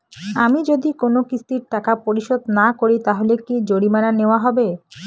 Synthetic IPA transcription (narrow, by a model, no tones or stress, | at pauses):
amid͡ʑod̪ikonokisʰt̪iɾʈakapoɾiʃod̪nakoɾit̪aɦolekid͡ʑoɽimananeoaɦɔbe